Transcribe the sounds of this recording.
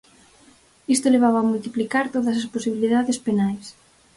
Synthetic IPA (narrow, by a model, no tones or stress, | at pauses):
ist̪oleβ̞aβaːmult̪iplikaɾt̪oðɐs̬ɐsposiβiliðaðespenajs